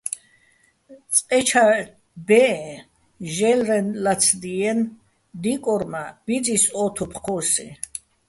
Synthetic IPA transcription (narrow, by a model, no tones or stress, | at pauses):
t͡sʼqʼɛt͡ʃʰa | bɛɛ | ʒɛlɾɛnlat͡sʰd̪iɛn | d̪ikʼɔɾmab̥id͡zisɔt̪ʰupʰqʰɔsḭ